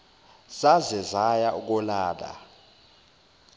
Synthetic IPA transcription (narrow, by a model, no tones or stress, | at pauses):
zazɛzajauk̬ʼɔlaːla̰